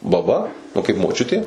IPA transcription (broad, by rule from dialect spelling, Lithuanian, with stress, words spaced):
bɐˈbɐ nʊ kɐɪp moːˈt͡ʃʲʊtʲeː